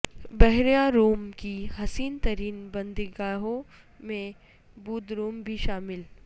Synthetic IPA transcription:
bɛɦɾjaɾuːmkiɦɐsiːnt̪ɐɾiːnbɐ̃nd̪ɪɡaːɦõ | mẽ | buːd̪ɾuːmbʱiʃaːmɪl

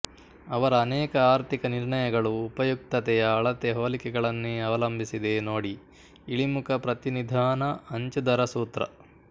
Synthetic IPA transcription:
ɐʋɐɾɐːnɛːkɐaːɾt̪ʰikɐniɾɳɐjɐɡɐɭuːpɐjuk̚t̪ɐt̪ɛjɐːɭɐt̪ɛɦoːlikɛɡɐɭɐnːeːɐʋɐlɐmbʱisid̪enoːɽi | iɭimukʰɐpɾɐt̪inid̪ʱaːnɐɐɲt͡ʃɐd̪ɐɾɐsuːt̪ɾɐ̰

